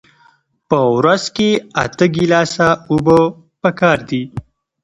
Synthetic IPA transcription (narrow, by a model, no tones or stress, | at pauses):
pəwɾazkea̰t̪əɡilɑsaubə | pəkɑːɾd̪i